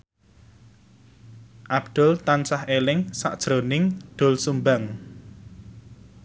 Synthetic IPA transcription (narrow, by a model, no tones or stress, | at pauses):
ʔab̚d̪̥ʊ̤lt̪ansahelɪŋsa̰ʔd̥ʒ̥ɾonɪŋɖ̪̥o̤lsumbaŋ